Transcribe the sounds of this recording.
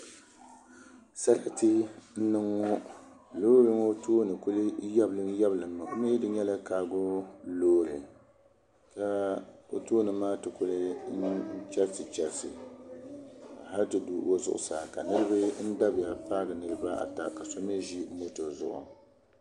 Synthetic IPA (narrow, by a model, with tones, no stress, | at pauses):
sa˦ɾa˦tɨ˦n̩˦nɨ˦ŋːɔ˦ | loː˦ɾɨ˦ŋo˦tʰoː˦nɨ˨kʊ˦lɨ˦ja˦blɨ˦ŋ˦jɛ˦blɨ˨mːɨ˨ʔo˦mi˦jɛ˦dɨ˦ɲɛ˦la˦kaː˨ɡo˦loː˦ɾɨ̰˨ | ka˦o̰˦toː˦nɨ˨maː˦tɨ˨kʊ˦lɨ˦n˦t͡ʃɛ˦ɾsɨ˨t͡ʃɛ˨lsɨ˨ | a˨ɦa˦ltɨ˨du˨o˦zʊ̰˨ʔʊ̰˨saː˨ka˨nɨ˦ɾɨ˦bɨ˦n̩˦da˦bɪ˨ja˨paː˦ɡɨ˨nɨ˨ɾɨ˦ba˦ʔa̰˨ta˦ka˨so˦m˦e˦ʒi˦mo˦to˨zʊ̰˦ʔʊ̰˨